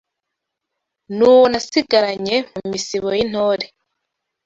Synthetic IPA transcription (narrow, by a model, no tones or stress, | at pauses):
nuːwonasiɡaɾaɲe̞mumisiβojin̥hoːɾe